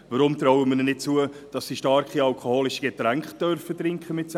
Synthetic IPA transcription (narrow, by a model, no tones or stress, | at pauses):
vəɾʊmt̪ɾɔwəminɛnɪt̚t͡suəd̥ɑsdiʃtɑɾkχiɑlkʰohoːlɪʃiɡ̥etɾæŋkχ̚d̥œɾfətɾɪŋkχəmɪts